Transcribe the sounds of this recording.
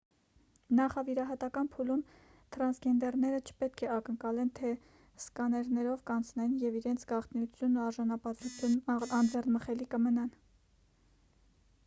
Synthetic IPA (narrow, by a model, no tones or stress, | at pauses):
nɑχɑviɾɑɦɑt̪ɑkɑnpʰulum | t̪ʰɾɑnsɡɛnd̪ɛrnɛɾət͡ʃʰə̥pɛt̪̚kʰɛɑkəŋkɑlɛnt̪ʰɛ | skɑnɛɾnɛɾɔvkɑnt͡sʰnɛnjɛviɾɛnt͡sʰɡ̥ɑχt̪njut͡sʰjunːuɑɾʒɑnɑpɑt̪uunɑnd͡zɛrnməχɛlikəmənɑn